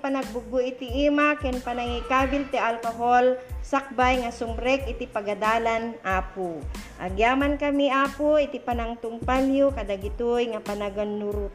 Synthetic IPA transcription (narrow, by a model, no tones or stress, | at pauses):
panaɡ̚bʊɡʊʔit̪iʔimakɛnpanaŋikabɪlt̪ɛʔalkoɦolsak̚bajŋasʊmɾɛkʔɪt̪ipaɡad̪aːlanʔaːpuʔɐ̰ɡjaːmankɐmiaːpuit̪ipanaŋt̪ʊŋpaljokɐd̪aɡɪt̪ujŋapanaɡonːuɾu